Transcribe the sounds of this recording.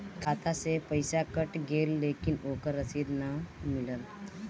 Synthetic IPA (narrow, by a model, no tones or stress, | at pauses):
kʰat̪ʰasepəjsakəʈɡelːekinokəɾːəsiːd̪namiləl